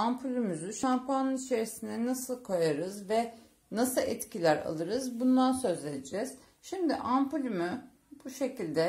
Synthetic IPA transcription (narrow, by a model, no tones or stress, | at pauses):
ampʰulʲymyzyʃampʰanɯnit͡ʃʰe̞ɾisind̪ɛnasɯlˠkʰo̞jaɾɯzvɛ | nasɯlˠʔɛt̪cʰilʲæɾa̰lˠɯɾɯzbund̪ansø̞zed̪id͡ʒɛz̥ | ʃimd̪iʔampulʲymy | b̥uʃe̞cilʲd̪ɛ